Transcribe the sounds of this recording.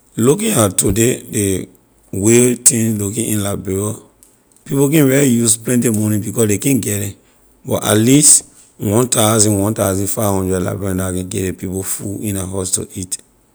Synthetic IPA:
lukĩatodede | wetĩnlukĩĩnlabɛɹɔ | pipokɛ̃nɹɛlijusplɛ̃ntemɔ̃nĩbikɔsdekɛ̃nɡɛdɛ̃ | bɔta̰tlist | wɔ̃ntazĩnwɔ̃ntaʊzĩnfaɪvhɔ̃ndɹɛdla̰bɛɹɔ̃ndakɛ̃nɡɛtdɛ̃pipofuĩnaɦasto̰ʔit

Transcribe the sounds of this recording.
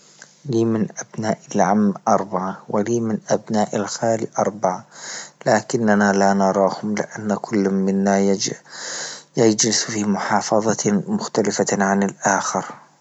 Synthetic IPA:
liːmɪnʔabnaːʔɪlʕamːʔɑɾˤbaʕawɪliːmɪnʔabnaːʔalxaːliʔɑɾˤbaʕalaːkɪnːanalanɑɾˤɑːhʊmlɪ̰ʔanːakʰʊlːmɪnːa | jad͡ʒlɪsfiːmʊħɑːfɑðˤɑmʊxt̪alɪfaʕanɪlʔaːxɪɾ

